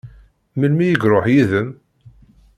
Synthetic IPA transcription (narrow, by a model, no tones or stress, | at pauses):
məlmijəɡɾˤoħjiðəm